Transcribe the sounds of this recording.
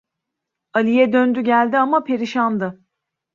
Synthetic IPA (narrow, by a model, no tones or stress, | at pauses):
alʲijɛd̪ønd̪yɟælʲd̪iamapʰe̞ɾiʃand̪ɯ